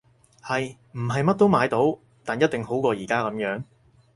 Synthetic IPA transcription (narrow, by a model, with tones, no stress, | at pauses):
hɐ˨j | m̩˨˩ɦɐ˨jmɐ˥t̚t̪o˥wmaː˨˧jt̪o˨˥w | t̪aː˨njɐ˥t̚t̪ɪ˨ŋho˨˥wkɔː˧jiː˨˩kaː˥kɐ˨˥mjœː˨˥ŋ